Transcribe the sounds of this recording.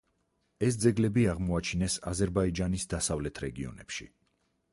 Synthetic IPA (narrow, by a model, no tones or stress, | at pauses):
ɛsd̪zɛɡlɛbiaʁmɔat͡ʃʰinɛsazɛɾbaid͡ʒanisd̪asavlɛt̪ʰɾɛɡiɔ̰nɛ̰pʃḭ